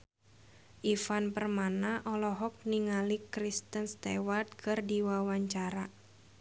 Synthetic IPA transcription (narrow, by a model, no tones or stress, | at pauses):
ʔifanpərmanaʔɔlɔɦɔk̚niŋalikɾist̪ənst̪ḛwat̪̚kʰɨrdiwawaɲt͡ʃaɾa